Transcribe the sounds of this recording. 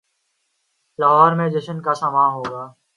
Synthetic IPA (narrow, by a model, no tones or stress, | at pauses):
laɦɔːɾmẽːd͡ʒəʃənkaːsamãːɦoːɡaː